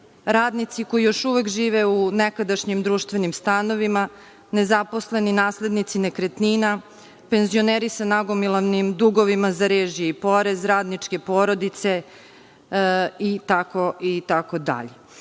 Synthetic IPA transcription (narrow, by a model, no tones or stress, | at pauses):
ɾaːd̪nit̪siko̞jijo̞ʃuʋe̞kʒiːʋeunekad̪aʃɲimd̪ɾuːʃt̪ʋe̞nimst̪ano̞ʋima | ne̞zaposle̞ninaːsled̪nit̪sine̞kɾet̪niːna | pe̞nzio̞neːɾisanaɡo̞milˠaʋnimd̪uɡo̞ʋimazaɾeːʒijeipo̞ɾe̞zɾaːd̪nit͡ʃke̞poːɾo̞d̪it̪se̞ | it̪ako̞it̪ako̞d̪a̰ʎe